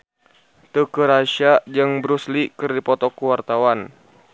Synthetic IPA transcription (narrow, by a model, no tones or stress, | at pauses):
t̪əkəɾaʃad͡ʒəŋbɾuslikɨrdipɔt̪ɔkuwart̪awan